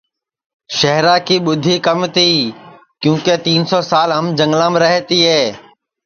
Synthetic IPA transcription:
ʃəɦɾaːkʰiːɓʊd̪ʱiːkəmt̪ʰiː | kjũːket̪iːnsɔːsaːlɦəmd͡ʒə̃ŋɡlãːmɾəɦt̪iːɦeː

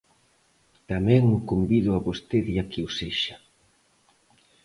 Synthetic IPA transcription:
t̪amɛ̃ŋʊkombiðʊaβost̪eðiakeuseʃḁ

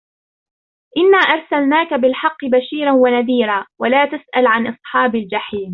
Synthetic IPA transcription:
ʔɪnːaːʔɑɾˤsalnaːkabɪlħɑqːɨbaʃiːɾanwanaðiːɾaːwalaːt̪asʔalʕanʔɑsˤħɑːbald͡ʒaħiːm

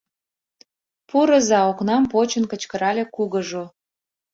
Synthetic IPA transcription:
puɾəzɑoknɑmpot͡ɕənkə̆t͡ɕkəɾɑlʲekuɣəʒo

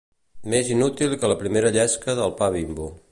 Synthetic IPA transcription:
mezinut̪ilˠkələpɾimeɾəʎɛskəðəlˠpaβ̞imbu

